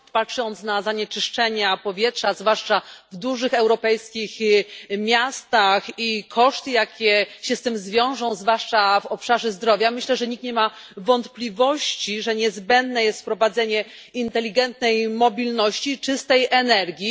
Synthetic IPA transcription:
patʂɔnt̪snazaɲɛt͡ʂɘʂt͡ʂɛɲapɔvʲjɛtʂazvwaʂt͡ʂavd̪uʐɘxɛwɾɔpɛjskʲixmʲjast̪axikʰɔʂt̪ɘjakʲɛɕɛst̪ɘmzvʲjɔ̃w̃ʐɔ̃w̃zvwaʂt͡ʂavɔpʂaʐɛzd̪ɾɔvʲjamɘɕlɛʐɛɲik̚t̪ɲɛma | vɔnt̪plʲivɔɕt͡ɕiʐɛɲɛzbɛnd̪nɛjɛst̪fpɾɔvad̪zɛɲɛ | int̪ɛlʲiɡɛnt̪nɛjmɔbʲilnɔɕt͡ɕit͡ʂɘst̪ɛjʔɛnɛɾɡʲi

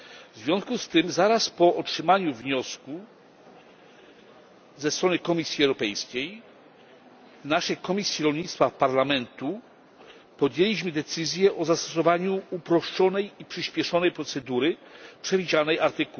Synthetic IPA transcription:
vzvʲjɔ̃w̃skust̪ɘmzaɾaspɔʔɔtʂɘmaɲuvɲɔsku | zɛst̪ɾɔnɘkɔmʲisʲjiɛwɾɔpɛjskʲej | vnaʂɛjkɔmʲisʲjiɾɔlɲit̪st̪fafpaɾlamɛnt̪u | pɔd̪jelʲiɕmɘd̪ɛt̪sɘzʲjɛʔɔzast̪ɔsɔvaɲuupɾɔʂt͡ʂɔnɛjipʂɘɕpʲjɛʂɔnɛjpɾɔt̪sɛd̪uɾɘpʂɛvʲid͡ʑanɛjaɾt̪ɘku

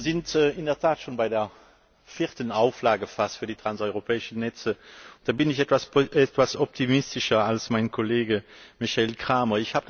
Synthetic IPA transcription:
zɪntːɪndɛɐtʰaːtʃoːnbaɪdeːɐ | fɪːɐtənaʊflaːɡəfastfyːɐdiːtʁ̥ansɔʏʁopʰɛːɪʃən̩nɛt͡səʊnd̥aːbɪnɪçɛtv̥asɛtv̥asɔp̚tʰimɪstɪʃɐalsmaɪnkʰoleːɡəmɪçɛlkʁ̥aːmɐɪçhaːbə

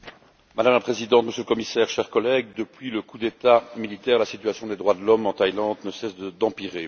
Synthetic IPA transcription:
mad̪amlapχezid̪ɑ̃t̪məsjøləkɔmisɛːʁʃɛʁkɔlɛɡ̚d̪əpɥiləkud̪et̪amilit̪ɛːʁlasit̪yasjɔ̃d̪ed̪ʁwad̪əlɔmɑ̃t̪ajlɑ̃ːd̪nəsɛsd̪əd̪ɑ̃piʁe

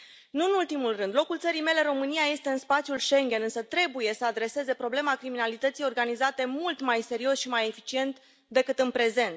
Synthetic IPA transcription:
nuɨnult̪imulrɨnd̪lo̞kult̪səɾijme̞le̞ro̞mɨniaje̞st̪e̞ɨnspat̪sjulʃe̞ŋɡʲe̞nɨnsət̪ɾe̞buje̞səad̪ɾe̞se̞ze̞pɾo̞ble̞makɾiminalit̪ət̪sijo̞rɡanizat̪e̞mult̪majse̞ɾio̞sʃimaje̞fit͡ʃie̞nt̪ | d̪e̞kɨt̪ɨnpɾe̞ze̞nt̪

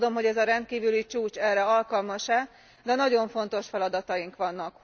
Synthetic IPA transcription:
d̪o̞mɦo̞ɟɛzɒɾɛnt̪̚kiːvylit͡ʃuːt͡ʃɛrːɛɒlkɒlmɒʃɛ | d̪ɛnɒɟo̞ɱfo̞n̪t̪o̞ʃfɛlɒd̪ɒt̪ɒjiŋkʋɒnːɒk

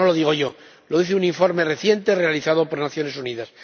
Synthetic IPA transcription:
olo̞ðiɣ̞o̞ʝo̞ | loðiθeuniɱfo̞ɾme̞re̞θje̞nt̪e̞re̞aliθaðo̞po̞ɾnaθjo̞ne̞suniðas

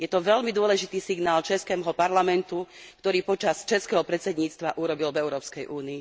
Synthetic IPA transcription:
jɛt̪ɔʋɛʎmid̪ʊɔlɛʒit̪iːsiɡnaːlt͡ʃɛskɛːɦɔpaɾlamɛnt̪ukt̪ɔɾiːpɔt͡ʃast͡ʃɛskɛːɦɔpɾɛt͡sɛd̪ɲiːt͡st̪ʋaʔuɾɔbilvɛʊɾɔːpskɛjʔuːniː

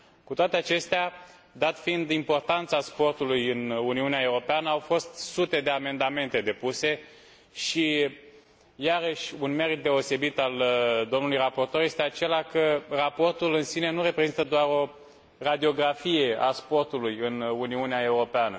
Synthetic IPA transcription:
kut̪oat̪eat͡ʃe̞st̪ea | d̪at̪find̪impo̞rt̪ant̪saspo̞rt̪ulujɨnuniuneaeuɾo̞peanəawfo̞st̪sut̪e̞d̪e̞ame̞nd̪ame̞nt̪e̞d̪e̞puse̞ | ʃi | jaɾəʃʲunme̞ɾit̪̚d̪e̞o̞se̞bit̪ald̪o̞mnulujrapo̞rt̪o̞rje̞st̪eat͡ʃe̞lakərapo̞rt̪ulɨnsine̞nuɾe̞pɾe̞zint̪əd̪oaɾo̞ | rad̪io̞ɡɾafije̞aspo̞rt̪ulujɨnuniuneae̞uɾo̞peanə

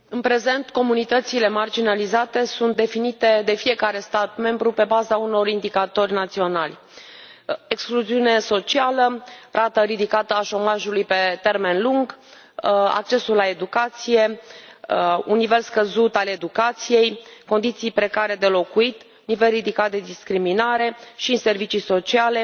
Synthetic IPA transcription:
ɨnpɾe̞ze̞nt̪ko̞munit̪ət̪sile̞mard͡ʒinalizat̪e̞sunt̪̚d̪e̞finit̪e̞d̪e̞fije̞kaɾe̞st̪at̪me̞mbɾupe̞bazauno̞rind̪ikat̪o̞rʲnat̪sio̞nalʲ | ekskluziune̞so̞t͡ʃialərʔat̪əɾid̪ikat̪əaʃo̞maʒulujpe̞t̪e̞rme̞nluŋɡ | a̰k̚t͡ʃe̞sulːae̞d̪ukat̪sije̞ | unːive̞lskəzut̪ale̞d̪ukat̪sije̞jko̞nd̪it̪sijpɾe̞kaɾe̞d̪e̞lo̞kuit̪ | nive̞lrid̪ikat̪̚d̪e̞d̪iskɾiminaɾe̞ʃinse̞rvit͡ʃijso̞t͡ʃiale̞

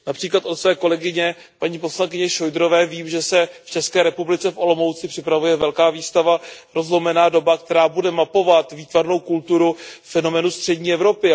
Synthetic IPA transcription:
napr̥iːklat̪o̞t̪svɛːko̞lɛɡɪɲɛ | paɲiːpo̞slaŋkɪɲɛʃo̞jd̪ɾo̞vɛːviːmʒɛsɛft͡ʃɛskɛːɾɛpublɪt͡sɛfʔo̞lo̞mo̞wt͡sɪpr̥ɪpɾavujɛvɛlkaːviːst̪avaɾo̞zlomɛnaːdo̞bak̚t̪ɛɾaːbudɛmapo̞vat̪viːt̪vaɾno̞wkult̪uɾufɛno̞mɛːnust̪r̝̥ɛɟɲiːɛvɾo̞pɪ

